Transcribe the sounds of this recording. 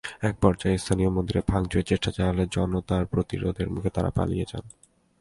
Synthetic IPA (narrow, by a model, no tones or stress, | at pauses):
ɛk̚pɔɾd͡ʑaest̪ʰaniomod̪iɾebʱaŋd͡ʑoet͡ɕeʃʈat͡ɕalaled͡ʑɔnːot̪aɾpɾot̪ḭɾo̰d̪ʱeɾmukʰet̪aɾa̰pa̰lḭjet͡ɕa̰n